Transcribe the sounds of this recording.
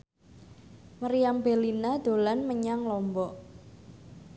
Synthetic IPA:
məɾijambelinad̪̥o̤lanməɲaŋlɔmbɔʔ

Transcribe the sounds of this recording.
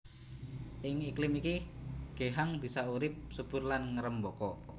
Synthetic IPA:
ʔɪŋiklɪmikiɡ̥eɦaŋb̥isauɾɪp̚sub̥ʊ̤rlanŋəɾəmbɔkɔʔ

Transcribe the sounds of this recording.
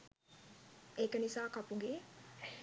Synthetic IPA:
eːkənisaːkapuɡeː

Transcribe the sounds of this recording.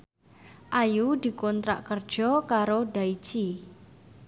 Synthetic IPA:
ʔajud̪̥i̤kɔnt̪ɾa̰ʔkərd̥ʒ̥ɔkaɾoɖaid̥ʒ̥i

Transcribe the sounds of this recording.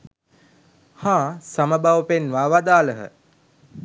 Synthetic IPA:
hãːsaməbaʋəpenʋaːʋad̪aːləɦə̰

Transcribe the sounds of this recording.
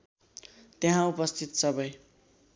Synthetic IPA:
t̪eɦãupʌst̪ʰit̪sʌbʌj

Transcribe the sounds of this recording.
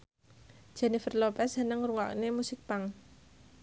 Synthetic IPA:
ʒ̥ɛnifərlopɛsɦənəŋruŋa̰ʔnemusɪk̚paŋ

